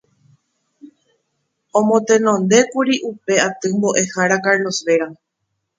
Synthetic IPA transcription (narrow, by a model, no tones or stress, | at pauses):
õmõt̪ẽ̞nõnd̪e̞kuɾiʔupe̞at̪ɨmbo̞ʔe̞haɾakaɾlo̞sʋe̞ɾa